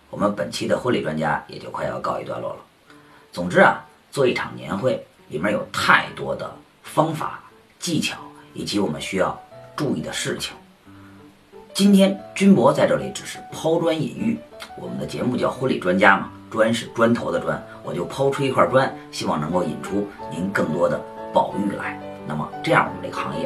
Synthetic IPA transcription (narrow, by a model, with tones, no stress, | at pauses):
wɔ˨˩mə˦npə˨˩nt͡ɕʰi˥d̪ə˨˧xuə˥li˨˩ʈ͡ʂwa˥nt͡ɕja̰˥jɛ̰˨˩t͡ɕjo˥˧ʊkʰa˥˧ɪjɑ̰˥˧ʊkɑ˥˧ʊḭ˧˥t̪wa̰˥˧lwɔ̰˥˩lə˩ | t͡sʊ˨˩ŋʈ͡ʂɻ̩˥ɐ̰˨ | t͡swɔ˥˧i˥˩ʈ͡ʂʰɑ̰˨˩ŋnjɛ̰˧˥nxwe˥˩ɪ | i˨˩mə˥jo˨˩ʊt̪ʰa˥˩ɪt̪wɔ˥d̪ə̰˨ | fɑ˥ŋfa̰˨˩˦ | t͡ɕi˥˩t͡ɕʰjɑ˨˧˥ʊḭ˨˩t͡ɕi˧˥wɔ˨˩mə̰˦nɕy˥jɑ̰˥˧ʊʈ͡ʂu˥˧ḭ˥˩d̪ə˩ʂɻ̩˥˩t͡ɕʰi̥˨˩˦ŋ | t͡ɕi˥nt̪ʰjɛ˥nt͡ɕy˥npwɔ˧˥t͡sa˥˧ɪʈ͡ʂɤ˥˩li˧˩˥ʈ͡ʂɻ̩˨˩ʂɻ̩˥˩pʰɑ˥ʊʈ͡ʂwa˥nḭ˨˩ny˥˩wɔ̰˨˩mə˦nd̪ə˧t͡ɕjɛ̰˧˥mu˧t͡ɕjjɑ˥˩ʊxə˥li˨˩ʈ͡ʂwa˥nt͡ɕja˥mə̰˩ | ʈ͡ʂwa˥nʂɻ̩˥˩ʈ͡ʂwa˥nt̪ʰo˧˥ʊd̪ə˧ʈ͡ʂwa̰˥n | wɔ˨˩t͡ɕjo˥˩ʊpʰɑ˥ʊʈ͡ʂʰu˥i˥kʰwa˥˩ʈ͡ʂwa˥nɕi˥wɑ˥˩ŋnɤ˧˥ŋko˥˩ʊḭ˨˩nʈ͡ʂʰu˥ni˧˥nkɤ˥˩ŋt̪wɔ˥d̪ə̰˨pɑ˨˩ʊy̰˥˩la̰˧˥ɪna̰˥˩mə̰˩ʈ͡ʂɤ˥˧jɑ˥˩wɔ̰˨˩˧ne˥˩ɡə˨xɑ̰˧˥ŋjɛ̰˥˧